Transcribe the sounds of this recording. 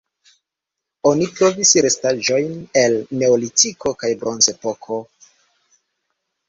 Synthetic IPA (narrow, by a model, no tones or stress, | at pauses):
o̞nipɾo̞visɾe̞staʒo̞jne̞lne̞olitiko̞kajbɾo̞nze̞po̞kʰo̞